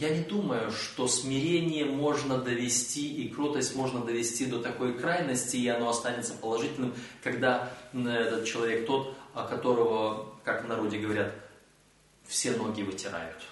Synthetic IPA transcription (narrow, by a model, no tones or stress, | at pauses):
janʲɪd̪uməjʊʂt̪o̞smʲɪɾʲenʲɪjəmo̞ʐnəd̪əvʲɪsʲtʲiʔikɾot̪əsʲtʲmo̞ʐnəd̪əvʲɪsʲtʲid̪ot̪ɐko̞jkɾajnəsʲtʲɪːɐno̞ɐst̪anʲɪt̪səpəlˠɐʐɨtʲɪlʲnɨmkɐɡd̪aɛt̪ət̪̚t͡ɕɪlˠɐvʲek̚t̪o̞t̪ɐkɐt̪o̞ɾəvəkaknɐɾo̞dʲɪɡəvɐɾʲat̪ | fsʲeno̞ɡʲɪːvɨtʲɪɾa̰jʊt̪